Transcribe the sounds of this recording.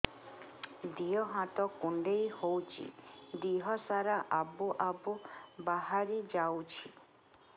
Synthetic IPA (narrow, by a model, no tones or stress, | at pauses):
d̪ijɔɦat̪ɔkuɳɖejhowt͡ʃʰḭd̪iɦɔsaɾaʔabuʔabubaɦaɾid͡ʒawt͡ʃʰi